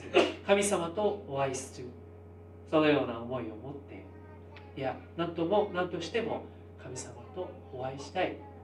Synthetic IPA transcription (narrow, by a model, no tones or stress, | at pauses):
kamʲisamat̪o̞ːβaisɨ̥ɾɨ | so̞no̞jo̞ːnaomo̞io̞mo̞t̪ːe̞̰ | ijanãnt̪o̞mo̞nãnt̪o̞ɕi̥t̪e̞mo̞̰ | kʰamʲisamat̪o̞ː | βaiɕi̥t̪ai